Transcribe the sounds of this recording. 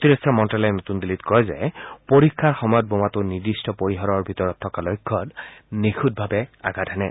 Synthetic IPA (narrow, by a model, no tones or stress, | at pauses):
tiɹesamɔntalɛnotundilitkɔɹɛzɛ̰poɹikʰːaɹxɔmɔjɔt̚bomatʊniɹdistɔpoɹiɦɔɹɔɹbʱitɔɹɔtʰːɔkalɔjkʰːɔtnixʰut̚bʱabɛa̰ɡadʰʱanɛ̰